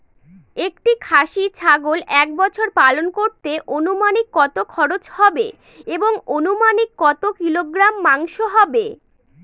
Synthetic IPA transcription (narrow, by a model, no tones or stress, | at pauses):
ek̚ʈikʰaʃit͡ɕʰaɡolʔɛk̚bɔt͡ɕʰoɾpalonkoɾt̪eʔonumanikːɔt̪okʰɔɾot͡ɕhɔbe | eboŋonumanikːɔt̪okiloɡɾamːaŋʃoɦɔbe